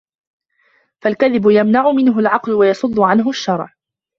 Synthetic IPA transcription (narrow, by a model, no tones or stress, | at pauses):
falkaðɪbʊjamnaʕʊmɪnɦʊlʕɑqlʊwajɑsˤʊd̪ˤːʊʕanɦʊʃːɑɾˤʕ